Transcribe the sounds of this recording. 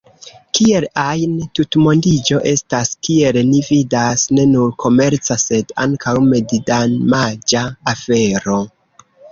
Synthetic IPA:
kie̞lajntutmo̞ndid͡ʒo̞ʔe̞staskie̞lnividasne̞nuɾkʰo̞me̞ɾt͡sase̞da̰ŋkʰawme̞didanmad͡ʒaːfe̞ɾo̞

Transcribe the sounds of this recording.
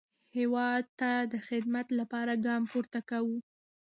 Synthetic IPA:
hewɑd̪̚t̪ad̪əxɪd̪mat̪lapɑɾaɡɑmpuɾt̪akawu

